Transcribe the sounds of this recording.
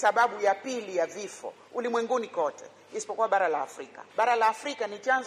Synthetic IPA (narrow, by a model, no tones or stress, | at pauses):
saɓaɓujapilijavifɔ̰ | ulimwɛŋɡunikɔtɛ̰ | ɛsi̥pɔkuwaɓaɾala̰ːfɾika̰ɓaɾalaːfɾikanit͡ʃanz